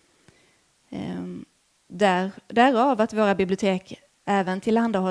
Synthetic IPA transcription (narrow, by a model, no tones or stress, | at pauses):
d̪æd̪æɾɑvat̪voːɾabɪblɪʊt̪ʰeːk | ʔɛːvənt̪ʰɪlhand̪aɦɔ